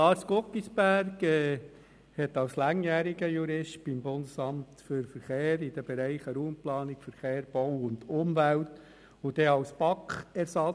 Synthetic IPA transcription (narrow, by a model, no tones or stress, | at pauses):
lɑːɾskokːisbæɾɡɛ | hɛt̪ɑwslɑŋjæːɾiɡəjuɾɪʃt̚b̥ɪmbʊnd̪əsɑmt̪fʏɾfəɾχeːɾid̥əb̥eɾæɪχəɾuːmplɑːnɪkfəɾχeːɾb̥ɔwʊnd̪ʊmvælt | ʊd̥̪ɛɑwspɑkχɛɾsɑ